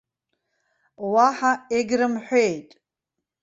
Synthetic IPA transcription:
waħaɛɡɾɨmħʷetʼ

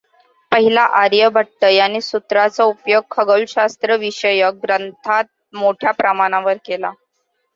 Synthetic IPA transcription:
pəɦilaʔaɾjəbʱəʈːəjañisut̪ɾat͡səupjoɡ̚kʰəɡəlɕast̪ɾəʋiɕəjəɡɾənt̪ʰat̪̚ | moʈʰjapɾəmaɽ̃aʋəɾkela̰

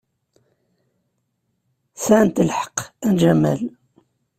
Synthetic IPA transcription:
sænt̪əlħə̥qænʒæmæ̰l

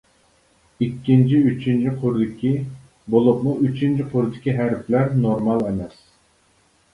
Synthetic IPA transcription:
ikʲːint͡ʃʰiyt͡ʃʰint͡ʃʰiqʰʊɾd̪ɪkʲʰi | bolˠʊp̚mʊyt͡ʃʰint͡ʃʰiqʰʊɾd̪ɪkʲiɦæɾplæɾnoɾmɑlˠemɛs

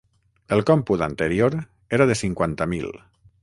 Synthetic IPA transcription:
əlˠkɔmput̪ant̪əɾioɾ | eɾaðesiŋkwant̪amḭl

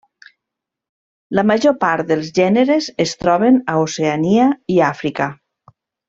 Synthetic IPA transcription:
ləmaʒopaɾt̪d̪əlˠzʒɛneɾezest̪ɾɔβenaoseaniaiafɾika

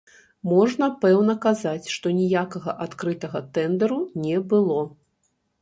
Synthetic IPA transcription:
mɔʐnɐpɛwnɐkazat͡sʲʂt̪ɔnʲijakɐɣɐʔat̪kɾɨt̪ɐɣɐt̪ɛnd̪ɐɾunʲɛbɨlˠɔ

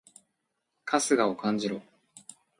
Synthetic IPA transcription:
kʰasɨɡaokãɲd͡ʑiɾoː

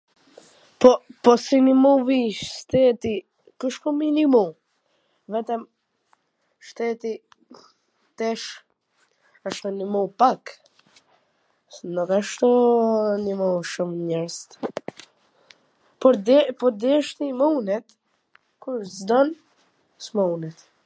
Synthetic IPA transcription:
pɔpɔsinimuviʃʃt̪ɛt̪i | kuʃkuminimu | vɛt̪am | ʃt̪ɛt̪i | t̪ɛʃ | aʃt̪unimupak | nukaʃt̪unimuʃumɲɛɾst̪ | pɔɾd̪ɛpɔɾd̪ɛʃt̪imuwnɛt̪ | kuɾzd̪ɔn | smaunɛt̪

